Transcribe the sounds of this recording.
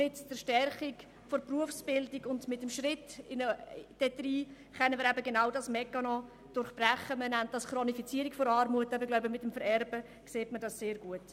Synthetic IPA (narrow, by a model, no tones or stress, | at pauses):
ɪt͡st͡səɾʃtɛrχik | fɔɾpruəfsb̥ɪldiɡʊndmɪtəmʃrɪtɪnəd̥ɛtriː | χɛnːənmɪːɾæbəɡenaʊdɑsmɛkːɑnɔ | d̥ʊɾχb̥ræχəmənɛntdɑskɾɔnifit͡siəɾikfɔɾɑːɾmuətːɑbəɾɡlaʊbəmɪtːəmfəɾɛɾbə | kseːtmədɑsseːɾɡuət